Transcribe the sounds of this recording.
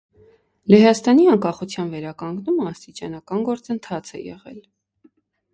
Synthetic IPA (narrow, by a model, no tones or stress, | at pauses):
lɛɦɑst̪ɑniɑŋkɑχut͡sʰjɑnvɛɾɑkɑŋɡnuməɑst̪it͡ʃɑnɑkɑnɡɔɾt͡sənt̪ʰɑt͡sʰɛ̰jɛ̰ʁɛ̰l